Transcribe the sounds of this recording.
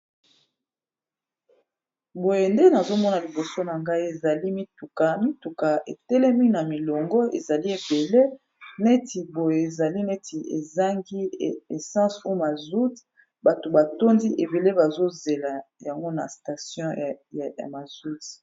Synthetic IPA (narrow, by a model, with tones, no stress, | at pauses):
bo˨je˨nde˦na˨zo˦mɔ˦na˨li˨bo˨so˦na˨ŋɡa˦i˦e˨za˨li˦mi˦tu˨ka˨mi˦tu˨ka˨e˨tɛ˦lɛ˦mi˦na˨mi˨lɔ˨ŋɡɔ˦ḛ˨za˨li˦e˨be˨le˦ | nɛ˦tʰi˨bo˨je˨e˨za˨li˦nɛ˦ti˨ḛ˨za˦ŋɡi˦e˨sɑ̃˦su˦ma˨zu˦t | ba˨to˨ba˨to˦ndi˦ʔe˨be˨le˦ba˨zo˦ze˨la˨ja˨ŋɡo˦na̰˨sta˨sjɔ̃˦jja̰˨ma˨zu˦t